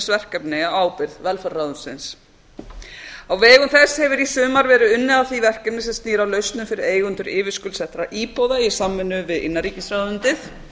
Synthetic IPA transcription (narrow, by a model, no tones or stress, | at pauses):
svɛr̥kɛpnɪawaːwpɪɾðvɛlfɛɾːaːðʏnsɪ̰ns | awvɛːɣʏmθɛshɛvɪɾisʏːmaɾvɛːɾʏʏnːɪawθivɛr̥kɛpnɪsɛmst̪iːɾawlœɥst̪nʏmfɪɾɪɾeːjɣʏnt̪ʏɾɪːvɪskʏlsɛht̪ɾaʔiːpowðaisamːɛnːʏvɪðɪ̰nːaɾiːcɪsɾaðʏnt̪ɪθ